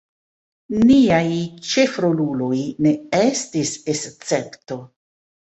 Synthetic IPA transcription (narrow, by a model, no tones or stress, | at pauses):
niajt͡ʃe̞fɾo̞lulo̞jne̞estisest͡se̞pto̞